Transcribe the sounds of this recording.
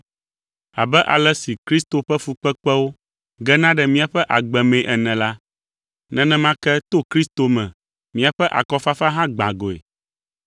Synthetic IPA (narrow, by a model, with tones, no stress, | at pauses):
a̰˨bɛ˦ʔa˨lɛ˦si˨kɾi˦st̪o˨ɸɛ˦fu˨k͡pɛ˦k͡pɛ˦wo˦ | ɡɛ˦nã˦ɖɛ˨mĩ˦a˨ɸɛ˦ʔa˨ɡ͡bɛ˨mɛ̃˨ʔɛ˨nɛ̃˨la˦ | nɛ̃˨nɛ̃˦mã˦kɛ˦t̪o˦kɾi˦st̪o˨mɛ̃˨ | mĩ˦a˨ɸɛ˦ʔa̰˨kɔ˦fa˦fa˦ɦã˦ɡ͡bã˨ɡo˨ḛ˨